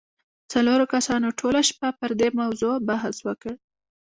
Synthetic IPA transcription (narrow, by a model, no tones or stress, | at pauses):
t͡saloɾokasɑnoʈʰolaʃpapəɾd̪emawzobaɦswəkəɽ